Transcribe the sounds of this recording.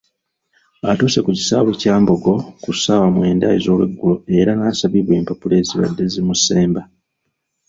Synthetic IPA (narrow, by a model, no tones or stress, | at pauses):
atuːse̞kuci̥saːβecaːmbo̞ɡo̞kusawamwe̞ːnda̰jizo̞ːlweɡːulo̞e̞ɾanaːsaβiβweːmpapule̞ːziβa̰dːe̞zimuse̞ːmba